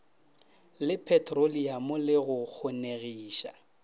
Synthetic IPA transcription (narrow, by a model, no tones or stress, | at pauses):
lɪpʰɛtʰʼroliamʊlɪɣʊk͡xʰʊneɣiːʃa